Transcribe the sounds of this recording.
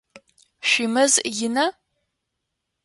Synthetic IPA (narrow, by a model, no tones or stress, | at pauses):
ʃʷimɨzjɪnɐ